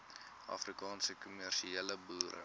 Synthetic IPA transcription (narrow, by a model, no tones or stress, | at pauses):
ʔɐ̰frikɑːnsəkumærʃieləbuːɾʔə̰